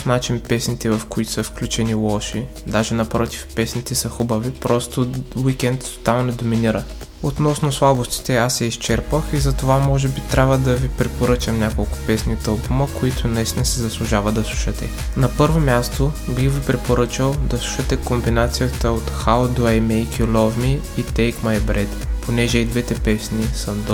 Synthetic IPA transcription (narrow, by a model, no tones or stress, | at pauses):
fnat͡ʃinpɛsnit̪ɛvɐfkoit̪o̥səfklʲut͡ʃɛnilˠɔʃid̪aʒɛnɐpɾɔt̪i̥fpɛsnit̪ɛsɐxubəvipɾɔst̪owikɛnt̪ːo̥t̪amnɛd̪ominiɾə | ot̪nɔsnoslˠabost̪i̥t̪ɛasːɛist͡ʃɛɾpəxizɐt̪ovamɔʒɛbit̪ɾʲabvəd̪ɐvipɾɛpoɾɤt͡ʃəmnʲakolˠkʊ̥pɛsnit̪ɤlˠpuməkoit̪ʰʊnɐist̪ʲinəsɛzɐslˠʊʒavəd̪ɐslˠuʃɛt̪ɛ̰ | nɐpɤɾvomʲjast̪obixvipɾɛpoɾɤt͡ʃəlˠd̪ɐslˠu̥ʃət̪ɛkombinat̪sijət̪əot̪xald̪oɛjmɛjkʲilʲɔvmiːt̪ɛjkmajbɾɛt̪pʰonɛʒɛid̪vɛt̪ɛpɛsnisəd̪